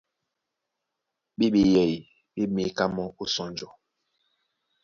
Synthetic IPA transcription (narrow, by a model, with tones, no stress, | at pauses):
ɓe˦ɓe˨jɛ˨i˨ | ɓe˦me˨ka˦mɔ˦o˦sɔ˨nd͡ʒɔ˨